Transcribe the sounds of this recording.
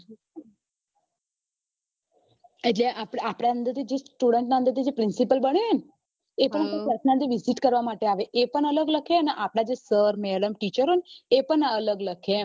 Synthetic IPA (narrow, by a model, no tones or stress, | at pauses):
eʈleʔapɽapɽaənd̪əɾt̪ʰid͡ʒesʈuɽeɳʈnaə̃nd̪əɾt̪ʰid͡ʒepɾɪnsipəlbəɳe | epəɳ̃apepəsnaɾd̪iʋiziʈkəɾʋamaʈeaʋeʔepəɳələɡləkʰeəneʔapɽ̃ad͡ʒesəɾmeɽəmʈit͡ʃəɾɦoneepəɳələɡləkʰe